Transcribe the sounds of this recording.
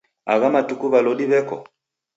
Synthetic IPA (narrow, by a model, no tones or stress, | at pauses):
aɣamatukuβalɔɗiβɛkɔ̰